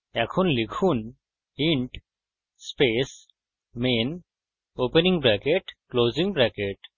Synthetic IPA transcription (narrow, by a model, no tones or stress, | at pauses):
ɛkʰunlikʰun | iɳʈ | speːs | meːn | oːpenĩŋɡbɾɛkeʈkloːzĩŋɡbɾɛkeʈ